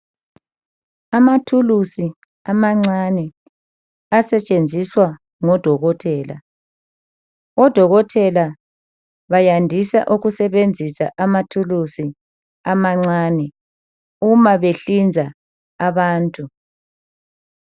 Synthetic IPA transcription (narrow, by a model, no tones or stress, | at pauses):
amatʰulusi | amaŋ͡ǀanɛ | asɛt͡ʃʼend͡zʱiswa | ŋɔd̥ʱɔɣɔtʰɛːla̰ | ɔd̥ʱɔɣɔtʰɛla | βajandʱisa̰ʔuɣusɛβend͡zʱisaʔamatʰulusi | amaŋ͡ǀanɛ | umaβeɬind͡zʱa | aβaːntʼu